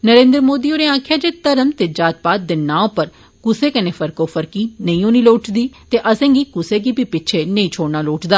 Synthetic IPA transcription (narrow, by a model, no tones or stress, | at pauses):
nəɾẽːnd̪ɾmoːd̪iːoːneːãːkʰjaːd͡ʒeːt̪əɾəmt̪eːd͡ʒaːt̪̚paːt̪̚d̪ɪnãːõpəɾ | kʊseːkəneːfʰəɾkoːfʰəɾkiːnəĩːoːniːloːʈd̪iːt̪eːʔəsẽːŋɡiːkʊseːɡiːpiːpɪːt͡ʃʰeːnəĩːt͡ʃʰoːɽnaːloːʈd̪aː